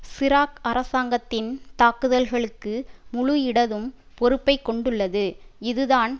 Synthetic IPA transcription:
sɪɾaːkɐɾɐsaːŋɡɐt̪ːɪnt̪aːkɯðɐlɣɐɭɯkːɯmʊɻʊɪɽɐðɯm | pɔɾɯpːɐɪkːɔɳɖɯɭːɐðɯɪðɯðaːn

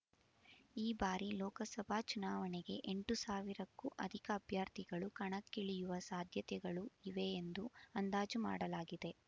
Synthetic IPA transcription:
iːbaːɾilɔːkɐsɐbʱaːt͡ʃunaːʋɐneɡe̞ʔeɳʈusaːʋiɾɐkːuʔɐd̪ʱikɐːbʱjaːɾt̪iɡɐɭukɐɳɐkːiɭijuʋɐsaːd̪ʱjɐt̪ɛɡɐɭuiʋe̞ːnd̪uɐnd̪aːd͡ʒuma̰ːɽɐlaːɡid̪e̞

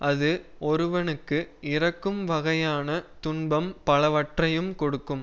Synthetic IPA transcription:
ʔɐðɯɔɾɯʋɐnɯkːɯʔɪɾɐkːɯmʋɐɣɐjaːnɐt̪ʊɳbɐmpɐlɐʋɐʈrɐjɯmkɔɽɯkːɯm

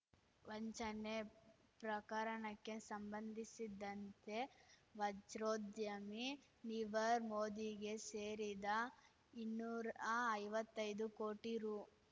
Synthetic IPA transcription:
ʋoɲt͡ʃɐne | pɾɐkaːɾɐɳɐkːe̞sɐmbɐnd̪ʱisid̪ɐnt̪e̞ʋɐd͡ʒɾoːd̪jɐmi | niʋɐɾmoːd̪iɡe̞seːɾid̪ɐ | inːuːɾɐɐjʋɐt̪ːɐjd̪ukoːʈiɾu

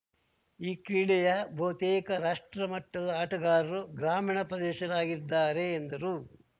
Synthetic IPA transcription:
iːkɾiɭɛjɐbʱɐʋɐt̪eːkɐɾaːʂʈɾɐmɐʈːɐd̪ɐaːʈɐɡaːɾɐɾuɡɾaːmiːɳɐpɾɐd̪ɛːʃɐɾaːɡiɾd̪ːaːɾeːnd̪ɐɾu

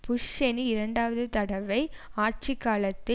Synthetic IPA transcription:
pʊʂt͡ʃɛniɪɾɐɳɖaːʋɐðɯt̪ɐɽɐʋɐɪ | aːɾt͡ʃikːaːlɐt̪ːɪ

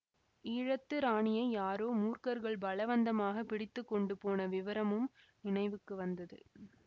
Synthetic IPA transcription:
iːɻɐt̪ːɯɾaːɳɪjɐɪjaːɾoːmuːrkɐɾɣɐɭbɐlɐʋɐnd̪ɐmaːɣɐpɪɽɪt̪ːɯkːɔɳɖɯpoːnɐʋɪʋɐɾɐmɯm | nɪɳɐɪʋɯkːɯʋɐnd̪ɐðɯ̰

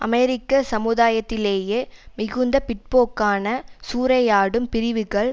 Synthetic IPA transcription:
ʔɐ̰mɛɾɪkːɐsɐmɯðaːjɐt̪ːɪleːjeːmɪɣɯnd̪ɐpɪʈ̚poːkːaːnɐsuːɾɐjaːɽɯmpɪɾɪʋɯɣɐɭ

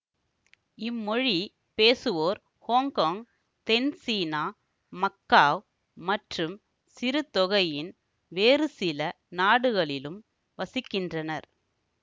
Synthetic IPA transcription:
ɪmːɔɻi | peːsɯʋoːɾ | hoːŋkoːŋ | t̪ɛnsiːnaː | mɐkːaːʋ | mɐʈrɯm | sɪɾɯt̪ɔɣɐjɪn | ʋeːrɯsɪlɐ | naːɽɯɣɐɭɪlɯm | ʋɐsɪkːɪndrɐnɐɾ

